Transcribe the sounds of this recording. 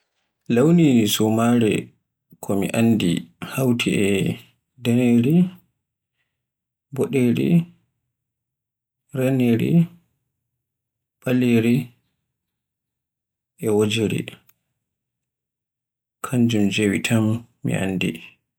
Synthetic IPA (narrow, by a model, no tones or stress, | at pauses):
lawnisɔmaɾɛ̰ | kʰɔmḭʔandḭhawtʰiɛ | dɛneɾi | bɔɗeɾḭ | ɾɛneɾḭ | ɓaleɾi | ʔɛwod͡ʒeɾḭ | kʰaɲd͡ʒumd͡ʒewitʰamː | ḭʔa̰nːdḭ